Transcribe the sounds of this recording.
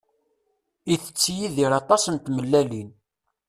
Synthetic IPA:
iθə̥t͡sːjiðiɾɑt̪ˤɑsənt̪məlːælin

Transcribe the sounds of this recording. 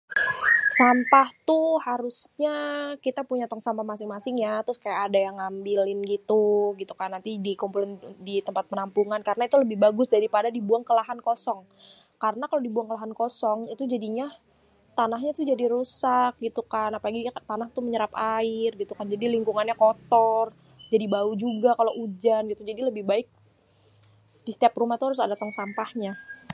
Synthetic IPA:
sampaht̪ʊhaɾʊsɲakit̪apuɲat̪ɔŋsampahmasɪŋmasɪŋjat̪ɾʊskajakadajaŋambilɪnɡit̪uɡit̪ukanːant̪idikumpulɪndit̪əmpat̪̚pənampuŋankaɾənait̪uləbɪhbaɡʊsdaɾipadadibuaŋkəlaɦankosɔŋ | kaɾənakalodibuaŋkəlaɦankɔsɔŋit̪ud͡ʒadiɲa | t̪anaɦɲat̪ʊhd͡ʒadiɾusak̚ɡit̪ukanapalaɡit̪anaht̪uməɲəɾapaɪrɡit̪ukand͡ʒadiliŋkuŋanɲakɔt̪ɔr | d͡ʒadibaud͡ʒuɡakaloʔud͡ʒanɡit̪ud͡ʒadiləbɪhbaɪk̚ | d̥ist̪ɛprumaht̪uaɾʊs̬adat̪ɔŋsampahɲa

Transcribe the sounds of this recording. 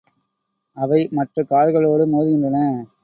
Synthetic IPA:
ɐʋɐɪmɐʈrɐkaːɾɣɐɭoːɽɯmoːðɪɣɪndrɐnɐ

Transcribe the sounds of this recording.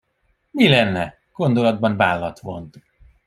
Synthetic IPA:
milɛnːɛ | ɡ̥o̞nd̪olɒd̪̚bɒnvaːlːɒt̪ʋo̞̰nt̪

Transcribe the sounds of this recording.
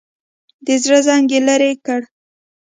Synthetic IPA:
d̪əzɽəzɑŋɡelaɾekəɽ

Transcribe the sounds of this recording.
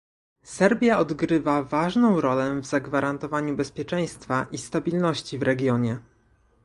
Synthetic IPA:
sɛɾbʲjaɔd̪ɡɾɘvavaʐnɔ̃w̃ɾɔlɛvzaɡvaɾant̪ɔvaɲubɛspʲjɛt͡ʂɛj̃st̪faʔist̪abʲilnɔɕt͡ɕivɾɛɡʲjɔɲɛ

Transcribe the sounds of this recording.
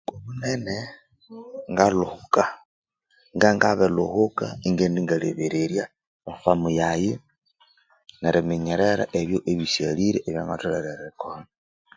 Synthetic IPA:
komunene | ŋɡaluhuka | ŋɡaŋɡaβeluhukaiŋɡendiŋɡalḛβeɾeɾja | ofamujaji | neɾemiɲeɾeɾa̰ʔeβjoʔeβisjaliɾeʔːβjaŋɡatuleɾeɾekona

